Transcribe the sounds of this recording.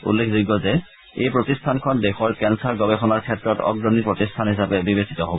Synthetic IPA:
ṵlːekʰdiɡɔzɛ | ejpɹotistʰankʰɔndexɔɹkɛnsaɹɡɔbɛxɔnaɹkʰɛtɹɔtɔ̰ɡɹɔnipɹotistʰanɦisapɛbibesi̥tɔɦobɔ

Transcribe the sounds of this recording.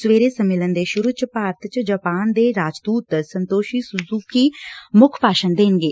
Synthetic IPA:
sʋeːɾeːsəmːɪlənd̪eːʃʊɾut͡ʃəpaːɾət̪ʰt͡ʃd͡ʒəːpaːnd̪eːɾaːd͡ʒd̪uːt̪sənt̪oːʃiːsʊzuːkiːmʊkʰpaːʃənd̪eːnɡeː

